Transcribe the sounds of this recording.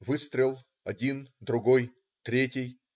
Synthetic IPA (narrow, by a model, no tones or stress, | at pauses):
vɨst̪ɾʲɪlˠ | ɐdʲind̪ɾʊɡo̞j | t̪ɾʲetʲɪj